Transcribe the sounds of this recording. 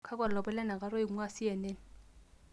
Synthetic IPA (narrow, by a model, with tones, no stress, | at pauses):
kʰa˦k̬ʼwa˨lɔ˨bɛ˦lɛ˦na˨k̬ʼa˨˦ɾɔ˦i˨u˦ŋa˦sɪ˦jɛ˨nɛː˦n